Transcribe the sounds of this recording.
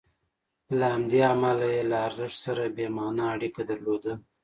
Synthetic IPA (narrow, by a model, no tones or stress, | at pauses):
lahamd̪eamalajelaːɾzəʂt̪saɾabemɑnaaɽikad̪aɾlod̪a